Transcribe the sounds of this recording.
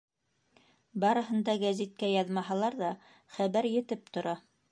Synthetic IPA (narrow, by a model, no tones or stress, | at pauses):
bɑɾɤ̆ɦɤ̆nd̪ɑɡæzit̪̚kæjɑðmɑɦɑlˠɑɾðɑ | χæβæɾjɘ̆t̪ɘp̚t̪ŏɾɑ